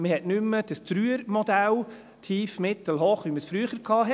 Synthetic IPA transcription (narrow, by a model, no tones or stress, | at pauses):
məhɛtnʏmːəd̥əst̪ɾyːəɾmɔd̪æl | t̪ʰiːfmɪt̪əl̩ɦoːχʋiməsfɾyəχəɾkʰɑːɦɛ